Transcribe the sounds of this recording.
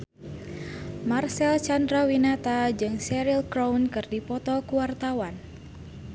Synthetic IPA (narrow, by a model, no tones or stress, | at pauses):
marsɛlt͡ʃandɾawinat̪ad͡ʒɨŋsɛɾilkɾawnkɨrdipɔt̪ɔkuwart̪awan